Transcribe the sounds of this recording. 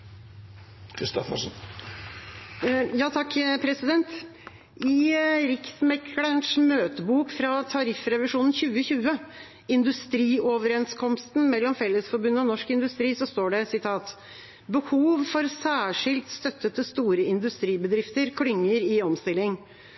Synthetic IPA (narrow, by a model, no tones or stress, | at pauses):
kʰɾɪst̪ɔfə̰ʂən | jɑːt̪ʰɑkːpʰɾɛsɪd̪ɛnt̪ | ɪɾɪksmɛkʰɽəɳʂmøːt̪əbuːkfɾɑt̪ʰɑɾɪfɾɛʋɪʂuːnn̩çʉːəçʉːə | ɪnd̪ʉst̪ɾiːɔʋəɾɛnskʰɔmst̪n̩mɛlːɔmfɛlːəsfɔɾbʉnːəɔnɔʂkɪnd̪ʉst̪ɾiːsɔst̪oːɖɛsɪt̪ʰɑːt̪ | bəhuːʋfɔɾsæːʂɪlt̪st̪œt̪ːət̪əst̪uːɾəɪnd̪ʉst̪ɾiːbəd̪ɾɪft̪əɾkʰɽʏŋːəɾɪɔmst̪ɪlːɪŋ